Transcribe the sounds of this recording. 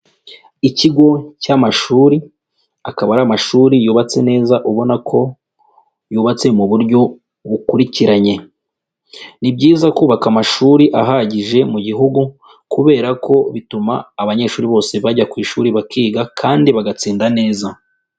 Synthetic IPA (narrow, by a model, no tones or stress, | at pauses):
iciɡo̞camaʃuːɾi | akaβaɾamaʃuːɾijuːβat͡se̞ne̞ːzaʔuβo̞nakʰo̞ | juːβat͡se̞muβuɾjɟo̞ | βukuɾiciɾaɲe̞ | nibɟiːzakuːβakamaʃuːɾiʔaɦaɟiʒe̞muɟiɦuɡu | kuβe̞ːɾakʰo̞βitumaːβaɲe̞ʃuːɾiβo̞ːse̞βaɟakwiːʃuːɾiβakiːɡakʰaːndiβaɡat͡siːndane̞ːza